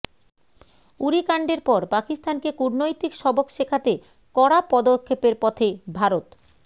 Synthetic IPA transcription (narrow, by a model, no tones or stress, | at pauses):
uɾikaɳɖeɾpɔɾpakist̪ankekuɾnojt̪ikʃɔbokʃekʰat̪e | kɔɽapɔd̪okʰːepeɾpɔt̪ʰebʱaɾot̪